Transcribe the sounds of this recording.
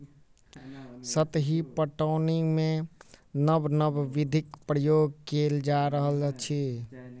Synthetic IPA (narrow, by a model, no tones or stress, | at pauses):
sət̪ɦipəʈəːnimẽnəbnəbʋid̪ʱikpɾəjoːɡ̚keld͡ʒaɾəɦəlt͡ʃʰi